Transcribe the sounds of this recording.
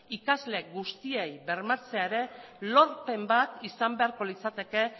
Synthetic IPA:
ikazle̞ɡust̪ie̞jbe̞ɾmat͡se̞aeɾe̞ | lo̞ɾpe̞mbat̪isambe̞aɾko̞lit͡sat̪e̞ke̞

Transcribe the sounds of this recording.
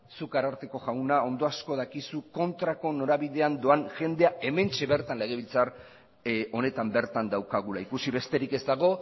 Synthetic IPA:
sukaɾaɾt̪e̞ko̞ʝawnao̞nd̪o̞asko̞ð̞akisuko̞nt̪ɾako̞no̞ɾaβiðe̞and̪o̞anʝe̞nd̪e̞ae̞me̞nt͡ʃe̞βe̞ɾt̪anle̞ɣe̞β̞ilt͡sar | o̞ne̞t̪ambe̞ɾt̪and̪awkaɣ̞ulaikusiβe̞st̪e̞ɾike̞zt̪aɣo̞

